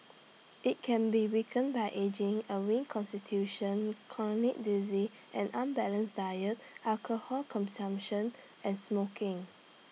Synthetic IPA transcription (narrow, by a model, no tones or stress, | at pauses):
ʔit̚kʰɛ̃nbiwikə̃nbajʔed͡ʒɪ̃ŋəɹĩnkʰɔ̃nstitʰjuʃə̃nkʰɔnɔnik̚dizi | ʔɛ̃nãnbɛlə̃nsdajət̚ʔakʰohɔkʰɔ̃nsãmpʃə̃n | ʔɛ̃nsmokɪ̃ŋ